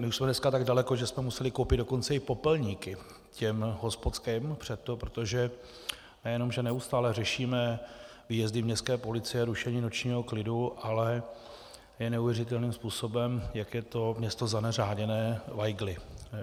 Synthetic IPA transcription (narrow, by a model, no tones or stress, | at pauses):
mɪuʃsmɛdnɛskat̪aɡdalɛko̞ʒɛsmɛmusɛlɪkowpɪd̪do̞ko̞nt͡sɛɪpo̞pɛlɲiːkɪ | cɛmɦo̞spot̪t͡skɛmpr̝̥ɛt̪ːo̞pɾot̪o̞ʒɛ | nɛjɛno̞mʒɛnɛust̪aːlɛrɛʃiːmɛ | viːjɛzdɪmɲɛst̪kɛːpo̞lɪt͡sɪjɛɾuʃɛɲiːnot͡ʃɲiːɦo̞klɪduʔalɛ | jɛnɛuvjɛrɪt̪̬ɛlniːmspuːso̞bɛmjakjɛt̪o̞mɲɛst̪o̞zanɛraːɟɛnɛːvajɡlɪ